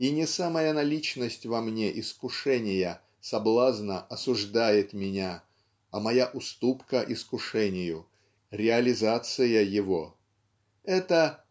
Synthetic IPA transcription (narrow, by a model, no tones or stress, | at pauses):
inʲɪsamɐjanɐlʲit͡ɕnəsʲtʲvɐmnʲeʔɪskʊʂɛnʲɪjə | sɐblˠaznəʔɐsʊʐd̪ajɪt̪mʲɪnʲa | ɐmɐjaʔʊst̪upkəʔɪskʊʂɛnʲɪjʊ | ɾʲɪɐlʲɪzat̪sɨjəjɪvo | ɛt̪ə